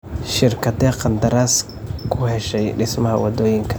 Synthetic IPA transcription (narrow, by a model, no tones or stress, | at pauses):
ʃɪrkʰɐd̪ɛːqɑnd̪ɐɾaːs | kʰʊhɛʃɛjɖɪsmɐɦɐwɑd̪ɔːjɪŋkʰɐ̥